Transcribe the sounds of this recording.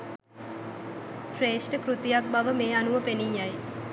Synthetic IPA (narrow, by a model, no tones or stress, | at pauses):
ʃɾeːsʈəkɾut̪ijak̚baʋəmeːanuʋəpenijaj